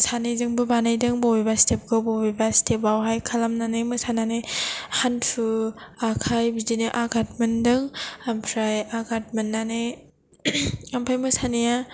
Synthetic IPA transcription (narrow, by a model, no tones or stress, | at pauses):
sanajzɯŋbɯbanajdɯŋbɔwbebastep̚ɡɯbɔbebastʰep̚awɦajkʰalamnanɯmɯsananɯjhanpʰɯakʰajbidinɯʔaɡʰat̚mɯndɯŋampʰɾajaɡʰat̚mɯnːanɯ | ampʰajmɯsanija